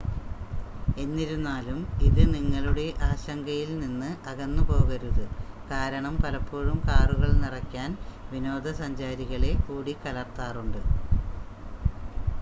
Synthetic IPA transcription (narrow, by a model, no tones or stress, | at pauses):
e̞nːiɾunːaːlumiðɨniŋːɐɭuɽe̞ʔaːɕɐŋɡɐjilninːɨʔɐɣɐnːɨpo̞ːɣɐɾuðɨ | kaːɾɐɳɐmpɐlɐpːoːɻumkaːruɣɐɭnirɐkʲːaːnʋino̞ːd̪ʱɐsɐɲd͡ʑaːɾiɣɐɭe̞kuːɽikɐlɐrt̪aːruɳɖɨ